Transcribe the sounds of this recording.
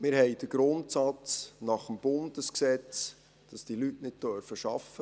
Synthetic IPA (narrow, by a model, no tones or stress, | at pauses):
mɪɾɦɛɪd̥əɡ̥ɾʊntsɑt͡snɑχəmb̥ʊndəsksɛt͡s | d̥ɑsd̥ilytnɪd̚tœɾfəʃɑfːə